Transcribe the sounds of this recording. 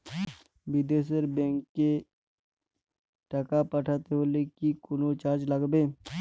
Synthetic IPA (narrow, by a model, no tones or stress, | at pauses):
bɪd̪eːs̬əɾbẽːŋkːe | ʈəkapəʈʰat̪eɦolekikʊnot͡ʃaːɾd͡ʒləɡbeː